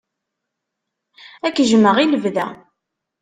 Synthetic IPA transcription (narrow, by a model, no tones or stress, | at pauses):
ækːʒməʁiləvðæ̰